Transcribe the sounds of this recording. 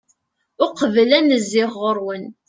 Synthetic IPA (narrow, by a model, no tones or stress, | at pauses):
ʊqəvlænəzːɪʁːəɾwən